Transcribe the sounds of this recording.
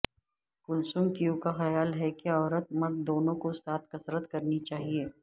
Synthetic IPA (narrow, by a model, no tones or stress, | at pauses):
kʊlsʊ̃ŋɡkijũkaxɐjaːlɦɛkiɔːɾət̪̚mɐd̪̚d̪oːnõkosaːt̪̚ʰkɐsɾət̪kɐɾnit͡ʃaːɦieː